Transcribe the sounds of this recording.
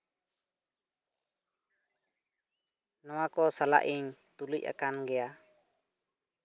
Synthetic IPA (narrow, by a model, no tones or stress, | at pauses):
nɔwakɔsala̰ʔiɲt̪uluc̚a̰kanɡɛja